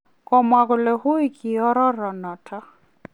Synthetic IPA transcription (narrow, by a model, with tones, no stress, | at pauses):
kɔ˨mwa˨kʊ˨lɛ˨hʊ˦i˦ki˨ɔ˦ɾɔ˦ɾɔ˨nɔ˨tʰa˦